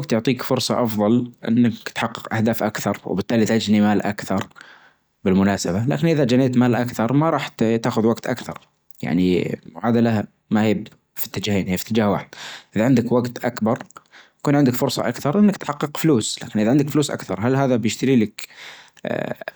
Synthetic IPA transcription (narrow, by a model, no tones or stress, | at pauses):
aɡt̪jʊʕt̪ˤiːkfʊɾsˤɑʔɑfðˤɑlʔɪ̰nːakt̪ħɑqːɨqʔahd̪aːfʔakθɑɾˤw̰bɪt̪ːaːlit̪ʔad͡ʒnimaːlʔa̰kθɑɾˤ | bɪlmʊnaːsabala̰ːkɪnʔɪðad͡ʒaneːt̪maːlʔakθɑɾˤmaɾˤɑːħt̪t̪aːxʊðwaɡt̪ʔa̰kθɑ̰ɾˤ | ja̰ʕniʕaːd̪alaha | mahiːb | fi̥t̪ːɪd͡ʒaːheːnhiːfit̪ːɪd͡ʒaːhwaːħɪd̪̥̚ʔɪðaʕɪnd̪ɪkwaɡt̪ʔakbɑɾˤ | kuːnʕɪnd̪ɪkfʊɾsˤɑ̰ʔakθɑɾˤʔɪnːakt̪ħɑqːɨqfluːslaːkɪnʔɪðaʕɪnd̪ɪkfluːsʔa̰kθɑɾˤɦalɦaːðabjɪʃt̪ɪɾiːlɪk